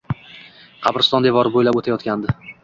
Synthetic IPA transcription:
qʰɑpɾɪst̪ɒnd̪e̞vɒɾbojlabot̪ʰajɒt̪kʲand̪ɪ

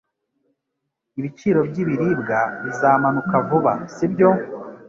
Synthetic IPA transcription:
iβit͡ʃiːɾo̞bɟiβiɾibɡaβizaːmanukavuβa̰sibjo̞

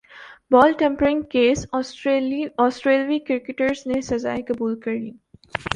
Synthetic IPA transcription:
bɔːlʈẽmpəɾɪ̃ŋkeːssɔːsʈɾeːlʋikɪɾkɪʈəɾznesɐza̰ːekɐbuːlkɐɾniː

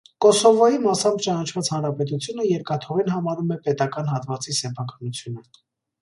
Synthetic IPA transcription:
kɔsɔvɔjimɑsɑmbt͡ʃɑnɑt͡ʃʰvɑt͡shɑnɾɑpɛt̪ut͡sʰjun̪əjɛɾkɑt̪ʰɔʁinɦɑmɑɾumɛpɛt̪ɑkɑnɦɑt̪vɑt͡sisɛpʰɑkɑnut͡sʰjunə

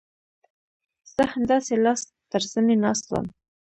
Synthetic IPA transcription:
z̥əhand̪ɑselɑs | t̪əɾsənenɑslə̰m

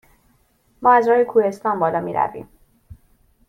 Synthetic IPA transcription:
mɒːæzɾɒːjekʰuːhe̞st̪ɒːnbɒːlɒːmiːɾæ̰vḭːm

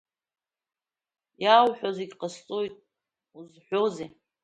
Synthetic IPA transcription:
jawħʷᶣozeɡʲqʼəst͡sʼojtʼ | uzħʷᶣoze

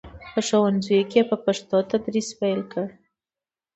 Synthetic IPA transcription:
pəʂowanzujokʲepəpaʂt̪ot̪ad̪ɾispajlkəɽ

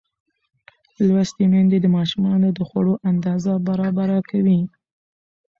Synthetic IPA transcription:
lwast̪emand̪ed̪əmɑʃumɑnod̪əxwaɽoʔand̪ɑzabaɾɑbaɾakawi

